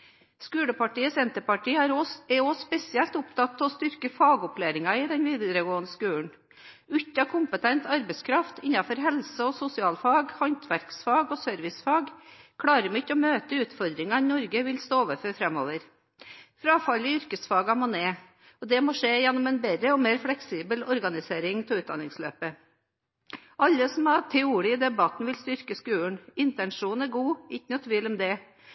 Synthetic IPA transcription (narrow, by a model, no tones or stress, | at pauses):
skʉːɽəpɑʈiːəsɛnt̪əpɑʈiːɑɾɛospɛsɪɛlt̪ʊpt̪ʰɑt̪ːɔst̪ʏɾkəfɑːɡɔpleːɾɪŋɑɪd̪ɛnʋiːd̪əɾəɡoːənəskʉːln̩ | ʉt̪ːɑkʰʊmpət̪ʰɛnt̪ɑɾbɛskʰɾɑft̪ɪnːɑfɔɾɦɛlsəɔsʊsɪɑːlfɑːɡhɑnt̪ʰʋæɾksfɑːɡɔsœɾʋɪsfɑːɡkʰɽɑːɾəmɛɪtːɔmøːt̪əʉːt̪fɔɾd̪ɾɪŋɑnɔɾɡəʋɪlst̪oːoːʋəɾføːɾfɾɛmoːʋəɾ | fɾɑːfɑlɪʏɾkəsfɑːɡɑmɔːneː | ɔd̪ɛmoːʂeːjɛnːɔmɛnbɛɾəɔmeːɾfɽɛksiːbəlɔɾɡɑnɪseːɾɪŋt̪ʰɪʉːt̪d̪ɑ̰nɪŋslø̰ːpə | ʔɑlːəsɔmɑt̪ʰɛuːɾɪəd̪ɛbɑt̪nʋɪlst̪ʏɾkəskʉːɳɪnt̪ɛnʂuːnæɾɡuːɪçːnɔt̪ʰʋiːlɔmd̪ɛ